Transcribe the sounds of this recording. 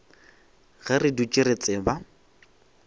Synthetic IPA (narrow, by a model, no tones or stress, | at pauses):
ɣarɪdut͡ʃʼɪɾet͡sʼɪba